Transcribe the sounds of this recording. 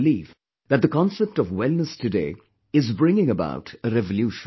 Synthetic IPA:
liːv | ðæt̚d̪əkɔ̃nsɛp̚ʈɔvwɛlˠnəstɨdeː | ɪzbɹɪ̃ŋɪ̃ŋəba̰ʊʈəɾɛvəljuʃ

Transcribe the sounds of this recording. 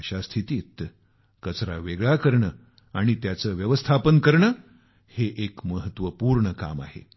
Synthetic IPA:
əɕast̪ʰit̪iːt̪ | kət͡sɾa̰ʋeɡɭakəɾɳəː | aɽ̃it̪jat͡səːʋjəʋəst̪ʰapənkəɾɳəː | heʔekməɦət̪ʋəpuːɾɳəka̰ma̰hḛ

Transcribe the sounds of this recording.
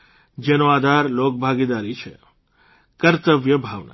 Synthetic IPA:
d͡ʒenoad̪ʱaɾlok̚bʱaɡid̪aɾit͡ʃʰḛ | kəɾt̪əʋjəbʱaʋna̰

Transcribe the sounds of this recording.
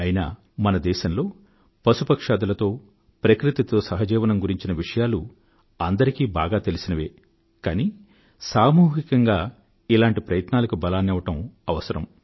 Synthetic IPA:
ɐjina̰ | mɐnɐd̪ɛːʃɐnlo̞ː | pɐsupɐkʂaːd̪ɐlɐt̪o̞ː | pɾɐkɾit̪it̪o̞ːsɐɦɐd͡ʒɛːʋɐnɐmɡuɾiɲt͡ʃinɐʋiʂɐjaːlu | ɐnd̪ɐɾikiːbaːɡaːt̪e̞lisinɐʋe̞ː | kaːniː | saːmuːɦikɐŋɡaː | ilaːɳʈipɾɐjɐt̪naːlɐkubɐlaːnɛʋɐʈɐmɐʋɐsɐɾɐ̰m

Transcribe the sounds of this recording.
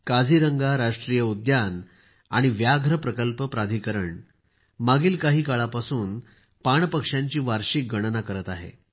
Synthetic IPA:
kad͡zʱiːɾəŋɡaɾaʂʈɾijəud̪jan | a̰ɽ̃iʋjaɡʱɾəpɾəkəlpəpɾad̪ʱikəɾəɳ | maɡiːlkaɦiːkaɭapasuːn | paɳpəkʂjãɲt͡ɕiːʋaɾɕik̚ɡəɽ̃nakəɾət̪aɦḛ

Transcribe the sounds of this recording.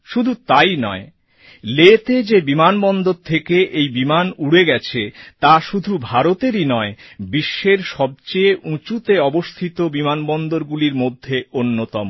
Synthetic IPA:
ʃud̪ʱut̪ajnɔe | let̪ed͡ʑebimanbɔnd̪oɾt̪ʰekeʔejbimanuɽeɡɛt͡ɕʰet̪aʃud̪ʱubʱaɾot̪eɾinɔebiʃːeɾʃɔb̚t͡ɕejũt͡ɕut̪eɔbost̪ʰit̪obimanbɔnd̪oɾɡuliɾmod̪ʱːeonːot̪ɔmo

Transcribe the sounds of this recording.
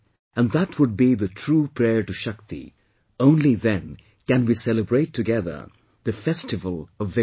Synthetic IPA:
ɨ̃nðət̚ʰwʊd̚biðɨtʰɹ̥upʰɹ̥ɛɹʈɨʃʌk̚t̪ḭ | õʊ̃nliðɨ̃n | kɨ̃nwisɛlɨbɹeɪtʰːɨɡɛðə̰˞ | ðɨfɛstɨvəlˠʌvːɪ

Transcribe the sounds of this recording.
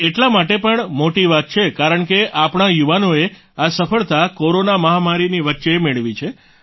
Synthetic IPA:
eʈlamaʈepəɳmoʈiʋat̪̚t͡ʃʰekaɾəɳkeʔapɳ̃ajuʋanoe | asəfəɭt̪akoɾonaməɦamaɾiniʋətːʃemeɭʋit͡ʃʰe

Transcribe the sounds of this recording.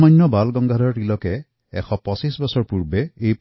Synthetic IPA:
majnːɔbalɡɔŋɡʱadʱɔɹʈilɔkɛ | ɛxʰɔpɔsisbɔsɔɹpuɹbeejp

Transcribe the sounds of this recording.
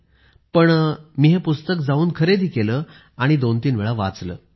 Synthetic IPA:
pəɳmiɦepust̪ək̚d͡zauːnkʰəɾed̪ʱiːkeləː | aɽ̃id̪ont̪iːnʋeɭaʋa̰t͡slə̰ː

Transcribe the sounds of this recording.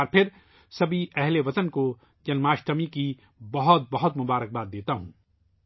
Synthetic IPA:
ɾpʰɪɾ | sɐbʱiɛɦleʋɐt̪ənko | d͡ʒɐnmaːʃʈəmiki | bɐɦʊt̪̚bɐɦʊt̪mʊbaːɾək̚baːd̪̚ːeːt̪aɦṵ̃ː

